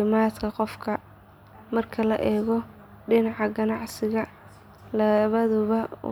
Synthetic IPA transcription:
ɪmaːd̪kʰɐqɔfkʰɐ | mɐrkʰɐlɐʔɛːɣɔ | ɖɪnɑʕɑɡɐnɑʕsɪɣɐ | lɐβɐðʊβɐ̰

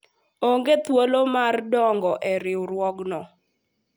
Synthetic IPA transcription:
oŋɡet̪wolomardɔŋɡɔʔeɾɪwɾwɔɡnɔ

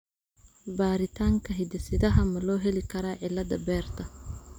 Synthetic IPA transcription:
baːɾɪt̪ʰaːŋkʰɐɦɪd̪ɛsɪd̪ɐɦɐmɐlɔːɦɛlɪkʰɐɾaːʕɪlɐd̪ɐbɛːrt̪ʰɐ

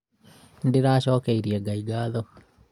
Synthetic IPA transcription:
ndɪɾaːʃɔːkeiɾjeɡaiɡaːðɔ

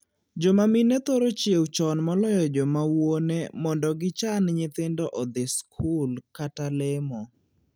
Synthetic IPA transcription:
d͡ʒomaminet̪oɾot͡ʃjewt͡ʃɔnmɔlɔjɔd͡ʒomawonemɔndɔɡɪt͡ʃanɲet̪endɔʔɔd̪ɪskʰulkatalɪmɔ

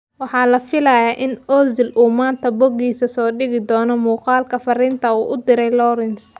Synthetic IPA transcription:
wɑħɑːlɐfɪlɐjaːʔɪnʔɔːzɪlʔuːmaːnt̪ʰɐbɔɡiːsɐsɔːɖɪɣɪd̪ɔːnɔmuːqɑːlkʰɐfɐrɪnt̪ʰɐuːʔʊd̪ɪɾɛjlɔːɾɪns

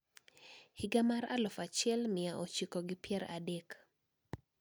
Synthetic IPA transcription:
hiɡamaɾa̰lɔfat͡ʃjɛlmɪaʔot͡ʃikɔɡɪpjɛɾa̰dɛk

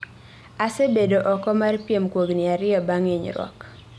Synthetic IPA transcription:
asebedoʔɔkɔmarpjemkwoɡnɪaɾɪɔbaŋeɲɾwɔ̰k

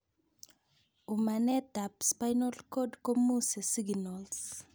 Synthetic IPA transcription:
umanɛd̪apspajnɔlkɔdkomusɛsiɡnɔls

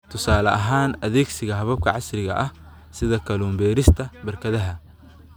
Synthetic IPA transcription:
t̪ʰʊsaːlɐʔɐɦaːnɐðɛːɡsɪɣɐɦɐβɐb̚kʰɐʕɑsrɪɣɐ̰ʔɐh | sɪðɐkʰɐluːmbɛːɾɪst̪ʰɐbɐrkʰɐðɐɦɐ

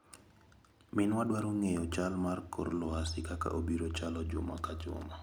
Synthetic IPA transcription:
mɪnwaɗwaɾuŋejɔt͡ʃalmarko̰rlɔasɪkaka̰ʔobiɾot͡ʃalɔd͡ʒʊ̰makad͡ʒʊ̰ma

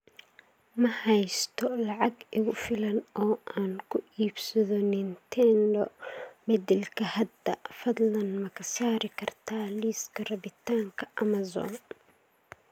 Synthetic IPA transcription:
mɐhɛjst̪ʰɔlɑʕɑɡɪɣʊfɪlɐnɔːʔaːnkʰʊʔiːbsɐðɔnɪnt̪ʰɛndɔmɛd̪ɛlkʰɐhɐd̪ɐfɐd̪lɐnmɐkʰɐsaːɾɪkʰɐrt̪ʰaːliːskʰɐrɐβɪt̪ʰaːŋkʰɐʔɐmɐzɔ̰ːn

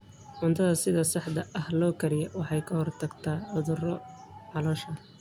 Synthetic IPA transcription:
ʕʊnt̪ʰɐðɐsɪðɐsɑħd̪ɐʔɐhlɔːkʰɐɾɪjɐwɑħɑjkʰɐhɔrt̪ʰɐɡt̪ʰaːʕʊðʊrɔ | ʕɑlɔːʃɐ

